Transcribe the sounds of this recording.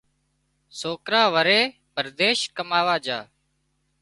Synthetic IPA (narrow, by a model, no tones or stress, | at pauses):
soːkɾaːʋəɾeː | pəɾd̪eːʃkəmaːʋaːd͡ʒaː